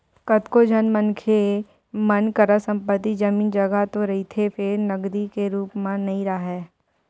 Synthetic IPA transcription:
kət̪kod͡ʒʱənmənkʰe | mɐnkəɾasə̃mpət̪ːid͡ʒɐmiːnd͡ʒɐɡat̪oɾɐɦit̪ʰepʰɪɾnɐɡd̪ikeɾuːpmãnɐɦĩɾaaɦɛː

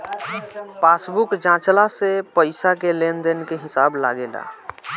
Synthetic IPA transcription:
pasbukd͡ʒãt͡ʃlasepəɪsakelend̪enkeɦisabla̰ɡela̰

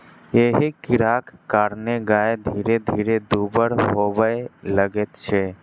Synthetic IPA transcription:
jeɦikɪɾaːkːaːɾneɡaed̪ʱiːɾed̪ʱiːɾed̪ubəɾɦobəeləɡet̪t͡ʃʰɛ

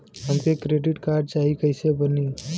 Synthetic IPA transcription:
ɦəmt̪ekɾeɖiʈkaɾɖ̚t͡ʃaɦikəɪsebəni

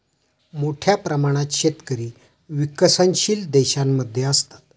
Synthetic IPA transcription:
moʈʰjapɾəmaɽ̃at̪ɕet̪kəɾiː | ʋiksənɕiːld̪eɕamːəd̪ʱːjeəst̪at̪̚

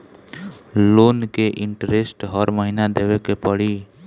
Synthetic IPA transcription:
lonkeʔiɳʈɾesʈɦəɾməɦinad̪ebekepəɽi

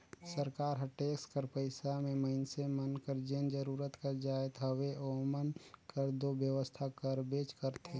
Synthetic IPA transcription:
səɾkaːɾɦəʈeːkskəɾpəɪsamẽməɪnsemənkəɾd͡ʒend͡ʒəɾuːɾət̪kəɾd͡ʒaːjt̪ɦəweʔoːmənkəɾd̪oːbjəʋəst̪ʰakəɾbeːt͡ʃkəɾt̪ʰeː

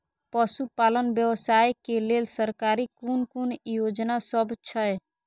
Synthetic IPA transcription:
pəsupalənbjəwsajkelelsəɾkaɾikonkonjod͡ʒnasəbt͡ʃʰəj

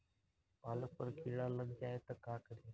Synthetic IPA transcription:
paːlək̚pəɾkʰiːɽaːləɡd͡ʒaːeːt̪əkaːkəɽeː

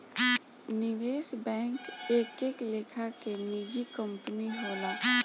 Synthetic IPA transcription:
nɪʋeːsbɛ̃ːŋkeːkeːkleːkʰakeniːd͡ʒikə̃mpəniɦoːlaː

